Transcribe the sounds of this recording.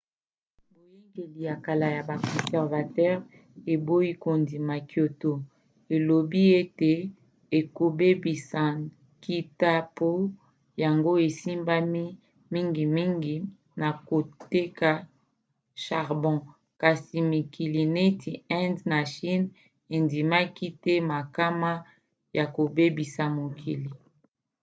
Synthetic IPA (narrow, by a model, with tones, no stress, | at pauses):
bo˨je˦ŋɡe˨li˨ja˨ka˨la˨ja˨ba˨kɔ̃˨sɛ˨ʁva˨tɛ˦ʁ | e˨bo˦ji˦ko˨ndi˨ma˨kjo˨to˦ | e˨lo˨bi˦e˦te˨ | e˨ko˨be˦bi˨sã˨ | ki˦ta˦po˦ | ja˨ŋɡo˦e˨si˦mba˦mi˦ | mi˦ŋɡi˨mi˦ŋɡi˨ | na˨ko˨te˦ka˨ | ʃa˨ʁbɔ̃˨ | ka˨si˨mi˨ki˨li˨ne˦tʰi˨ɛ̃˦ndna˨ʃi˦n | e˨ndi˨ma˦ki˦tɛ˦ma˨ka˦ma˦ | ja˨ko˨be˦bi˨sa˨mo˨kʰi˨li˨